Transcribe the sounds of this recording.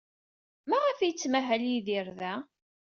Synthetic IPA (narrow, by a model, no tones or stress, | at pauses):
mæʁəfjət͡sːmæɦæljiðiɾðæ